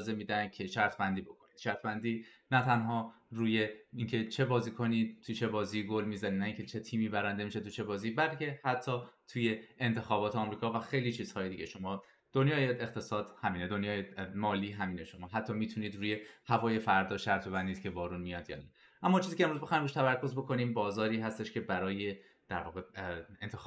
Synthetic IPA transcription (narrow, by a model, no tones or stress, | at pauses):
ze̞miːd̪æncʰe̞ʃæɾt̪ʰbænd̪iːbo̞kʰoniːd̪̥ʃæɾt̪ʰbænd̪iː | næt̪ʰænɦɒːɾuːje̞iŋcʰe̞t͡ʃʰe̞bɒːziːkʰo̞niːd̪̚t̪ʰut͡ʃʰe̞bɒːziːɡolmiːzæniːd̪næĩŋcʰet͡ʃʰe̞t̪ʰiːmiːbæɾænd̪e̞miʃet̪ʰut͡ʃʰe̞bɒːziːbælcʰe̞hæt̪ʰːɒːt̪ʰuje̞ːnt̪ʰe̞xɒːbɒːt̪ʰeɒːmɾiːkʰɒːvæxejlit͡ʃʰiːz̥hɒːje̞d̪iːɟeʃo̞mɒː | d̪̥onjɒːjeext̪ʰe̞sɒːd̪̥hæmiːned̪onjɒːjemɒːliːɦæmiːneʃo̞mɒːɦæt̪ʰːɒːmiːt̪ʰuniːd̪ɾuːje̞hævɒːje̞fæɾd̪ɒːʃæɾt̪ʰe̞vænd̪iːd̪cʰe̞bɒːɾuːnmijɒd̪jɒ̰ːnæ | ʔæmːɒt͡ʃʰiːziːcʰʲemɾuzbexɒjimbuʃt̪ʰæβæɾkʰo̞zbo̞kʰo̞niːmbɒːzɒːɾiːɦæst̪e̞ʃcʰʲe̞bæɾɒːje̞ | d̪̥æɾvɒ̰ːɣeent̪ʰex